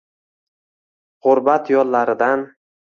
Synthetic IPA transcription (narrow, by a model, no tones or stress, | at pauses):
ʁʊɾbat̪jɒlːaɾɪd̪an